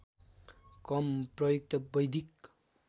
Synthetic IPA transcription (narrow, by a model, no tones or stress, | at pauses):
kʌmprʌjuk̚t̪ʌbʌjd̪ʱik